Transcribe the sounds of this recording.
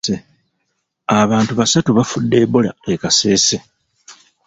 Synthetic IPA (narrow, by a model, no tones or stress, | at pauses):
e | aβaːntuβasatuβafudːe̞ːbola̰ekase̞ːse̞